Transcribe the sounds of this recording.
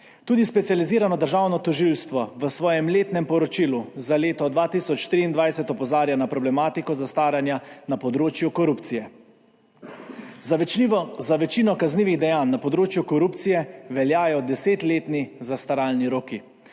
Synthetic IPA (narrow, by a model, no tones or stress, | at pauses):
t̪uːd̪ispɛt̪sijaliziːɾanɔd̪əɾʒawnɔt̪ɔʒilst̪ʋɔʋəsʋɔːjɛmleːt̪nɛmpɔɾɔt͡ʃiːluzaleːt̪ɔd̪ʋaːt̪isɔt͡ʃt̪ɾiːnd̪ʋajsɛt̪ɔpɔzaːɾjanapɾɔblɛmaːt̪ikɔzast̪aːɾjanjanapɔd̪ɾoːt͡ʃjukɔɾupt̪sijɛ | z | zaʋɛt͡ʃiːnɔkazniːʋiɣd̪ɛjaːnːapɔd̪ɾoːt͡ʃjukɔɾupt̪sijɛʋɛljaːjɔd̪ɛseːt̪leːt̪nizast̪aɾalniɾoːki